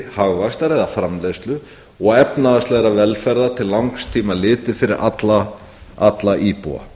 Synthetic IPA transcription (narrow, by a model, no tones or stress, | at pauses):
haɣvast̪aɾɛðafɾamlest̪lʏ | ɔɣɛpnaðast̪lɛɣɾavɛlfɛɾðat̪ʰɪllːawŋkst̪ʰiːmalɪːt̪ɪfɪɾɪɾʔa̰t̪la | at̪laʔiːpṵa̰